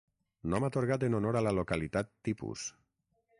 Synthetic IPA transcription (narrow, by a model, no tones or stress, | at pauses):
nɔmat̪oɾɣat̪̬enonoɾalalokalit̪at̪ːipṵs